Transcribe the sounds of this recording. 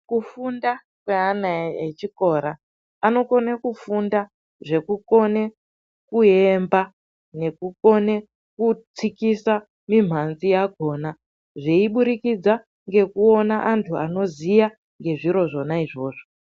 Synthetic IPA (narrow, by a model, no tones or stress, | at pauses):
kufunda | kweanaet͡ʃiko̞ɾa | ano̞ko̞nekufunda | ʐe̞kuko̞ne̞ | kue̞mba | ne̞kuko̞ne̞ | kut͡sikisa | mim̤anzijaɡʱo̞ːna | ʐeiɓuɾikid͡za | ŋɡe̞kuo̞naʔantʰua̰no̞zija | ŋɡe̞ʐiɾo̞ʐo̞naiʐo̞ːʐo